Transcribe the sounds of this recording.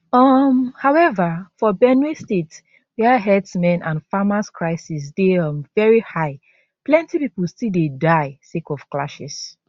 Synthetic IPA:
ʌmhaʊɛvafɔbɛnwestets | wiaɦɛdsmɛ̃nʔãnfamaskʰɹaɪsisdeʌ̃mvɛɹihaɪ | plɛ̃ntipipulstildedaɪsekɔfklaʃis

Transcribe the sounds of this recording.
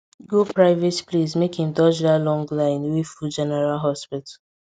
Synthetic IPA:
ɡopɹaɪvetplizmekhĩmd͡ʒɔd͡ʒdalɔ̃ŋɡlãɪ̃nwefud͡ʒɛnɛɹalɦɔspɪt

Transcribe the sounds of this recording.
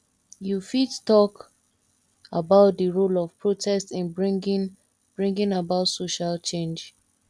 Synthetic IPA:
jufittɔk | abaʊt̚dəɹolɔv̥pɹotʰɛstĩnbɹɡn | b̥ɹĩŋɡĩnabaʊtsoʃalt͡ʃẽnd͡ʒ

